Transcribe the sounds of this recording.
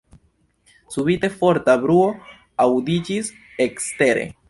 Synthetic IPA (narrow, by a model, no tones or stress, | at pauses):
suβite̞fo̞ɾtabɾuo̞ | awd̪id͡ʒis | ekste̞ɾe̞̰